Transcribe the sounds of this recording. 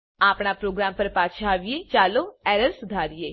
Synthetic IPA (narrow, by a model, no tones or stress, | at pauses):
apɳapɾoɡɾampəɾpat͡ʃʰaːʋijet͡ʃaloɛɾəɾsud̪ʱaɾje